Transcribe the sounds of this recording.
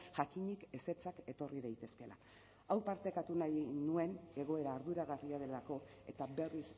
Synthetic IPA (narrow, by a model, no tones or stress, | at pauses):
ʝakiɲike̞se̞t͡sake̞t̪o̞riðajt̪e̞ske̞la̰ | awpaɾt̪ekat̪unajnue̞ne̞ɣ̞o̞e̞ɾaːɾðuɾaɣ̞ariað̞e̞lako̞e̞t̪abe̞ris